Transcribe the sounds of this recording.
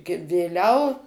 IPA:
ɡʲɪ ʋʲeːˈlʲɛʊ

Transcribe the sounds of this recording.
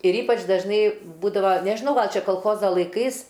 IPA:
ɪr ˈiːpɐt͡ʃ dɐʒˈnɐɪ ˈbuːdɐʋɐ nʲɛʒʲɪˈnɐʊ ˈɡɐlˠ ˈt͡ʃʲɛ koːlˠˈxoːzɐ lˠɐɪˈkɐɪs

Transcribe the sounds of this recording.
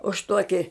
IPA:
ʊʃ ˈtuɔkʲɪ

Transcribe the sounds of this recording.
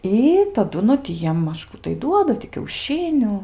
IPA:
ˈiː tɐˈdʊ nʊ tʲɪ ˈjiɛm ˈmɐʃ ˈkuː tɐɪ ˈduɔdɐ tʲɪ kʲɛʊˈʃʲɪnʲʊ

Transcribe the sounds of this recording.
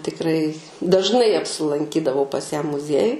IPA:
tʲɪkˈrɐɪ dɐʒˈnɐɪ ɐpʲsʲɪlˠɐŋʲˈkʲiːdɐʋɐʊ pɐs jæː mʊˈzʲiɛjʊj

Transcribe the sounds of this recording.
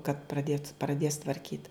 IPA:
kɐt prɐˈdʲeːt prɐˈdʲeːs tʋɐrʲˈkʲiːt

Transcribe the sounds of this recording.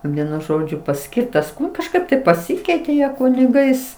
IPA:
ˈʋʲiɛnʊ ˈʒoːd͡ʒʲʊ pɐˈsʲkʲɪrtɐs kɐʃˈkɐɪp tɐɪ pɐˈsʲɪkʲɛɪtʲeː ˈjiɛ kʊnʲɪˈɡɐɪs

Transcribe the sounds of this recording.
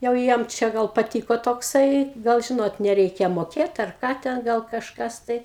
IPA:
jɛʊ ˈjiɛm t͡ʃʲɛ ˈɡɐlˠ pɐˈtʲiːkoː toːkˈsɐɪ ˈɡɐlˠ ˈʒʲɪnoːt nʲɛˈrʲɛɪkʲɛ moːˈkʲeːt ɐr ˈkɑː tʲɛn ˈɡɐlˠ kɐʃˈkɐs tɐɪ

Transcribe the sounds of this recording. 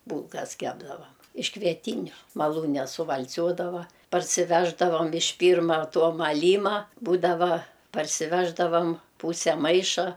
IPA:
ˈbuːlˠkɐs ˈkʲæːbdɐʋɐm ɪʃ kʋʲiɛˈtʲiːnʲʊ mɐˈlˠuːnʲɛ sʊʋɐlʲˈt͡sʲuɔdɐʋɐ pɐrʲsʲɪˈʋʲæːʒdɐʋɐm ɪʃ ˈpʲiːrmɐ ˈtoː mɐˈlʲiːmɐ ˈbuːdɐʋɐ pɐrʲsʲɪˈʋʲæːʒdɐʋɐm ˈpuːsʲɛ ˈmɐɪʃɐ

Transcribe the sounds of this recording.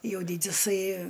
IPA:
ˈjɛʊ ˈdʲiːdʲɪsɐɪ

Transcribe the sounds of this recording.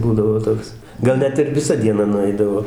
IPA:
ˈbuːdɐʋoː ˈtoːks ˈɡɐlˠ ˈnʲɛt ɪr ʋʲɪˈsɐ dʲiɛˈnɐ nʊˈɐɪdɐʋoː

